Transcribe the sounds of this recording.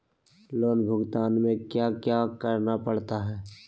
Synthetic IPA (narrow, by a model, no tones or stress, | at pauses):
loːnbʱʊɡt̪aːnmẽkjakjaːkəɾnapəɽ̤t̪aɦɛː